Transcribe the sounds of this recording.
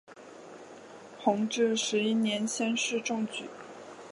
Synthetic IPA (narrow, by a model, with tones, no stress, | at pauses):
xʰʊ˧˥ŋʈ͡ʂɻ̩˥˩ʂɻ̩˧˥i˥njɛ˧˥nɕjɛ˥nʂɻ̩˥˧ʈ͡ʂʊ˥˩ŋt͡ɕy̰˨˩˦